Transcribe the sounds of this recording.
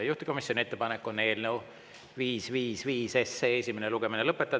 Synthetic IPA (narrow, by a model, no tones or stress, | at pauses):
ejuht̪i̥ko̞misjo̞nʲie̞t̪ːepɑnekːˑone̞ːlnew | viːsviːsviːsesːeesʲimeneluɡ̥e̞minelɤpːˑet̪ːˑɑ